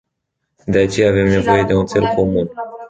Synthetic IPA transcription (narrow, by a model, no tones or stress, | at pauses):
d̪e̞at͡ʃe̞jaːve̞mne̞vo̞je̞d̪e̞unt̪se̞lko̞mun